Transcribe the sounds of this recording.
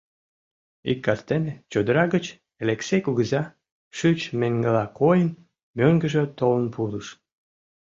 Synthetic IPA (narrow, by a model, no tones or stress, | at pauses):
ikːɑst̪enet͡ɕod̪əɾɑɣət͡ɕ | eleksejkuɣəzɑ | ʃyt͡ɕmeŋɡəlɑkojən | møŋɡəʒøt̪olənpʰuləʃ